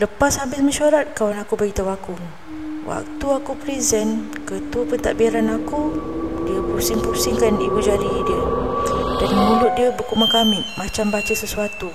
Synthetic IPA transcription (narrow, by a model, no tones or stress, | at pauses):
ləpashabɪsmaʃaɾat̪̚kawanakubəɡit̪awakʊŋ | wʔa̰k̚t̪uakupɾizənkət̪uəpənt̪a̰ʔbiaɾanakudiəpuusiŋpusiŋkanibud͡ʒaɾidiə | danmənũlʊt̪̚diəbəkuʔmakamɪʔmãt͡ʃambat͡ʃəsəsuat̪u